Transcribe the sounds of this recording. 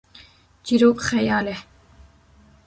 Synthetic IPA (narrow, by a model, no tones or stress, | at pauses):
d͡ʒiɾoːbxɛjɑːlɛ